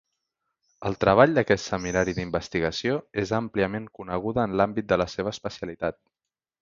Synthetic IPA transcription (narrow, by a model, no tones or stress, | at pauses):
əlˠt̪ɾəβ̞aʎd̪əkɛt̪səminaɾiðimbəst̪iɣəsioezampliəmeŋkunəɣ̞uðəːnlambit̪̚d̪ələseβəːspəsijəlit̪at̪̚